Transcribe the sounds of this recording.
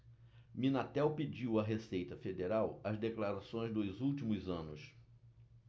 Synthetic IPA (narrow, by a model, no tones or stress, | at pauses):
mĩnat̪ɛwped͡ʒiwɐɦesejt̪ɐfed̪eɾawɐzd̪eklaɾasõj̃zd̪ojzuwt͡ʃimʊzɐ̃nʊs